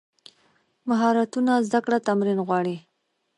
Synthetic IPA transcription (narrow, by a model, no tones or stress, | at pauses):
maɦɑɾat̪unazd̪akɽat̪amɾinɣwɑɽi